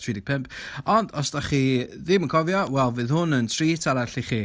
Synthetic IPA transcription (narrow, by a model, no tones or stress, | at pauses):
tʰriːdɪk̚pʰɛmp̚ɔndɔsd̥aχiðɪmənkʰɔvjɔwɛlˠvɨðhʊnəntʰriːtʰaɾaɬiχiː